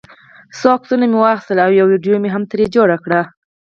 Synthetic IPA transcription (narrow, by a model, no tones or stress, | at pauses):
sɑksunamewɑxst̪əlawjawiɖjomeɦamt̪əɾed͡ʒoɽakɽa